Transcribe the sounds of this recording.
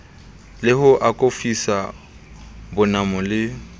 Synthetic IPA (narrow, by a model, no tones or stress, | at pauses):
lɪhʊʔakʼofisa | bʊnamʊlɪ